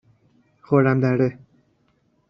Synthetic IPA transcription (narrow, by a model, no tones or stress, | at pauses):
xoɾamd̪aɾe